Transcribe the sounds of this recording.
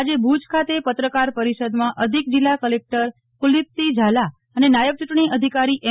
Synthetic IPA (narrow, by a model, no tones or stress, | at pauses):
ad͡ʒebʱud͡ʒkʰat̪epət̪ɾəkaɾpəɾiʃəd̪mãʔəd̪ʱik̚d͡ʒilːakəlek̚ʈəɾ | pulitsid͡ʒʱala | ənenajəʋt͡ʃuʈɳ̃iʔəd̪ʱikaɾiʔe